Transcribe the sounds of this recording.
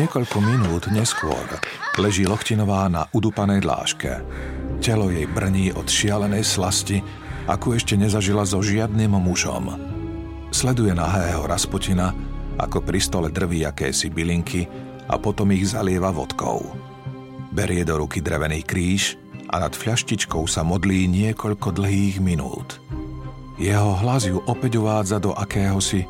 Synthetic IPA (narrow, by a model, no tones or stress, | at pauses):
ɲɪɛkɔʎkɔminuːd̪ɲɛskʊɔ̰ɾlɛʒiːlɔxcinɔʋaːna̰ʔud̪upanɛjd̪la̰ːʃkɛ̰ | cɛlɔjɛjbr̩ɲiːʔɔt̪ʃɪalɛnɛjslasci | a̰kuɛʃcɛɲɛzaʒilazɔʒɪad̪niːmmuʒɔ̰m | slɛd̪ujɛnaɦɛːɦɔɾaspɔcinaʔa̰kɔpɾist̪ɔlɛd̪r̩ʋiakɛ̰ːsibiliŋkʰi | a̰pɔt̪ɔmiɣzalɪɛʋaʋɔ̰t̪kɔ̰ʊ | bɛɾɪɛd̪ɔɾukid̪ɾɛʋɛnixkɾiːʃ | ʔa̰nat̪fʎaʃcit͡ʃkɔʊsamɔd̪liːɲɪɛkɔʎkɔd̪l̩ɦiːɣminṵːt̪ | jɛɦɔɦlazjuʔɔpɛɟuʋaːd͡zad̪ɔʔakɛːɦɔsi